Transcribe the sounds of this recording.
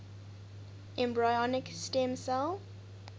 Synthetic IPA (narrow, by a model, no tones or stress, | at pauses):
ʔɛ̃mbɹajɔnɪkstɛ̃msɛl